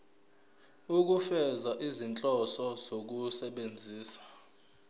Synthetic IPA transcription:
uk̬ufɛzaʔizint͡ɬʼɔsɔzok̬usɛɓend͡zʱiːsḁ

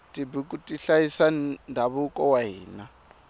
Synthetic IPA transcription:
tʼibukʼutʼiɬajisandʱaβukʼɔwaɦiːna

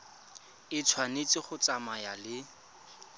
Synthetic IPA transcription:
ɪt͡sʰwanet͡sɪχʊt͡samajalɪ

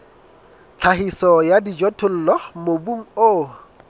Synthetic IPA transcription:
t͡ɬʰaɦisɔjadid͡ʒɔtʰʊl̩lɔmobuŋ̩o

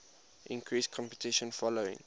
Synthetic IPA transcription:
ʔĩŋkʰɹiːskʰɔ̃mpətɪʃə̃nfɔloɪ̰̃ŋ

